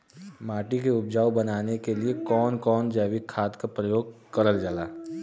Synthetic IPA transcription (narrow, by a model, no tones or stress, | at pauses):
maːʈikeʊpd͡ʒaːwbɐnaːnekeliekɔːnkɔːnd͡ʒɛːʋikʰːaːt̪kapɾəjoːɡ̚kɐɾəld͡ʒalaː